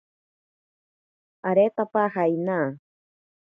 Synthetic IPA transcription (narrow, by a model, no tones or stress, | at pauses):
aɾet̪apahajnaː